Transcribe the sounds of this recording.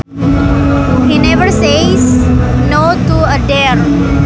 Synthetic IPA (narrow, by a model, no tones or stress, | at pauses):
hinɛʋəɾseznoːt̪uəɖeɾ